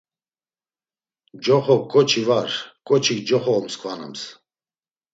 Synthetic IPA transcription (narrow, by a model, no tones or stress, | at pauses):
d͡ʒɔχɔkʼɔt͡ʃʰivaɾkʼɔt͡ʃʰikd͡ʒɔχɔːmskʰʼvana̰ms